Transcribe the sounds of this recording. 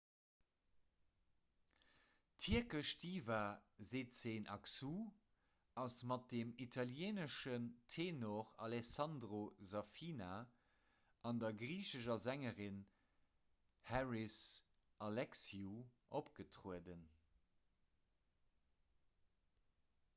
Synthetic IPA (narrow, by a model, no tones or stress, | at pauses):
tʰiɐkəʃtʰiːvɐzeːtsenʔɑksu | ɑsmɑt̚d̥emitʰɑljeːnəʃəntʰeːnoʁɑ̰lɛsɑndʁozɑfiːna | ʔɑndɐɡʁiːʃəʃɐzæŋəʁin | hæɹis | ʔɑlɛksiuʔopɡ̥ətʁuədən